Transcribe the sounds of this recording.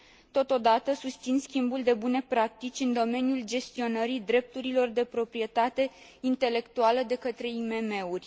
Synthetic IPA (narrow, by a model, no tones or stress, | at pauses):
t̪o̞t̪o̞d̪at̪əsust̪sinskʲimbuld̪e̞bune̞pɾak̚t̪it͡ʃʲɨnd̪o̞me̞nijuld͡ʒe̞st̪io̞nəɾid̪ɾe̞p̚t̪uɾilo̞rd̪e̞pɾo̞pɾie̞t̪at̪e̞ | int̪e̞le̞kt̪ualəd̪e̞kət̪ɾe̞ime̞me̞urʲ